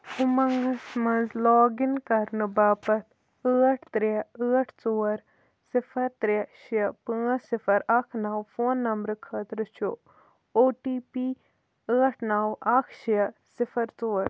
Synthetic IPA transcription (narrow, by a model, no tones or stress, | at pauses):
umɐŋɡɐsmɐnzlɔːɡinkɐɾnɨbaːpɐt̪ʰ | əːʈʰt̪ɾiɐəːʈʰt͡soːɐɾ | sifʰɐɾt̪ɾiɐʃijɐpɨːsifʰɐɾɐkʰnaːwfoːnːɐmbɾɨkʰəːt̪ɾɨt͡ʃʰo | oːʈiːpiː | əːʈʰnaːwɐkʰʃijɐsifʰɐɾt͡soːɐɾ